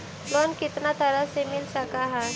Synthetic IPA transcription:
lonkit̪nat̪əɾasemilsakaɦa

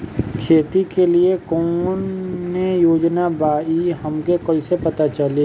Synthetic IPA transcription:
kʰeːt̪ikeliekoːnːejoːd͡ʒnabaːiɦɐmkekoisepɐt̪at͡ʃɐle

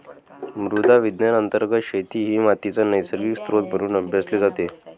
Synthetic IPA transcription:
mɾud̪ʱaʋid̪nanənt̪əɾɡət̪ɕet̪iːɦiːmat̪it͡sanəjsəɾʋikst̪ɾot̪̚bʱəɾuːnəbʱjasleːd͡zat̪e

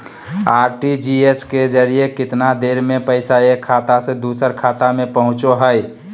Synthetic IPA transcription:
aːɾʈid͡ʒiesked͡ʒəɾijekɪt̪nad̪eːɾmẽpəɪsaekʰːaːt̪ased̪uːsəɾkʰaːt̪amẽpəɦʊ̃t͡ʃoɦəj

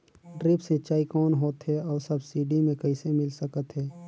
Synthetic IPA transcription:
ɖɾɪpsẽt͡ʃaːikɔːnɦoːt̪ɦɛɔːɾsɐbsiːɖimẽkɐɪsemɪlsəkət̪ɦɛː

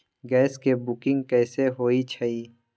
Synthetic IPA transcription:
ɡɛːskebʊkɪ̃ŋɡkɛːseɦoːit͡ʃʰəiː

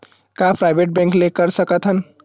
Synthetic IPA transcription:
kapɾaɪbeʈ̚bɛ̃ŋklekəɾsəkət̪ɦən

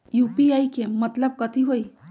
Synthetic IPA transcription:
jupiajkemət̪ləb̚kət̪ʰiɦoi

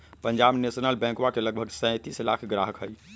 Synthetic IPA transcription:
pəɲd͡ʒabnesnəlbɛ̃kwakeləɡ̚bʱəɡsɛ̃t̪islakʰɡɾaɦəkɦəj

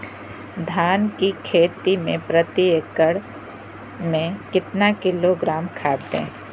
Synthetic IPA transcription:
d̪ʱaːnkikʰeːt̪imẽpɾət̪iekəɽ | mẽkɪt̪nakɪloɡɾaːmkʰaːt̪ḛ̃ː

